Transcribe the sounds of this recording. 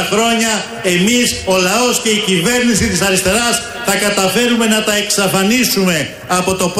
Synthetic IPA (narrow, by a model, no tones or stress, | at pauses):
xɾo̞ɲɐ | e̞miso̞lɐo̞sce̞icive̞ɾnisit̪isɐɾist̪e̞ɾɐs | θɐkɐt̪ɐfe̞ɾume̞nɐt̪ɐe̞ksɐfɐnisume̞ | ɐpo̞t̪o̞p